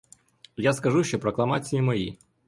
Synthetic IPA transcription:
jaskɐʒuʃʲt͡ʃɔpɾɐklˠɐmat͡sʲijimɐjḭ

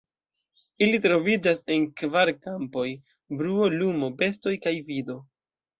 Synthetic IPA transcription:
ilitɾo̞vid͡ʒase̞nkvaɾkampo̞j | bɾuo̞lumo̞be̞sto̞jkajvido̞

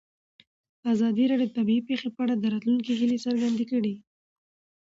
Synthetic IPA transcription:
d̪əazɑd̪iɾɑɖjod̪ət̪abiipexepəaɽad̪əɾɑt̪luŋkeɦilesəɾɡand̪ekəɽi

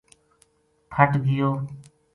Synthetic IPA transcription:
pʰəʈɡɪjoː

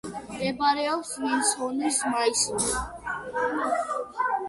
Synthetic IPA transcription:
mɛbaɾɛɔpsvinsɔnismaisɔs

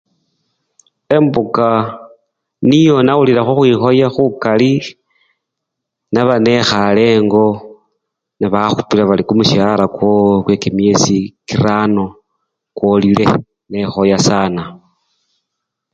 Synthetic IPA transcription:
e̞mbuka | nijo̞nauliɾaxuxwixo̞jaxukali | naβane̞xale̞ːŋɡo̞ | naβaxupilaβalikumuʃaɾakwokwekimie̞sikiɾano | kwolile̞̰ | ne̞xo̞jasaːna

